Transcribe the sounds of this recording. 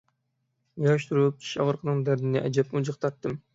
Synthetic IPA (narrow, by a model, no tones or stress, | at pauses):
jɑʃt̪ʰuɾup̚ʰi̥ʃɑ̰ʁəɾqʰənɨŋd̪æɾd̪inɛʔɛd͡ʒɛp̚mud͡ʒɨqt̪ʰɑɾt̪ːɨm